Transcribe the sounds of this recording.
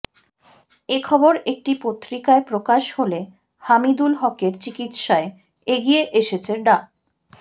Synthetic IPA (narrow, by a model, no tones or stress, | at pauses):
ekʰɔboɾek̚ʈipot̪ːɾikaepɾokaʃhole | hamid̪ulɦɔkeɾt͡ɕikit̪ʃae | eɡijeʔeʃet͡ɕʰeɖa